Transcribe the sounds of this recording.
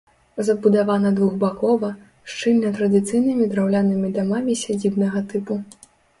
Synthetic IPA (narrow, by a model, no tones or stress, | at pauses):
zɐbud̪avanɐd̪vuɣbakɔvɐ | ʂt͡ʂɨlʲnɐt̪ɾɐd̪ɨt̪sɨjnɨmʲid̪ɾawlʲanɨmʲid̪amamʲisʲad͡zʲibnɐɣɐt̪ɨpu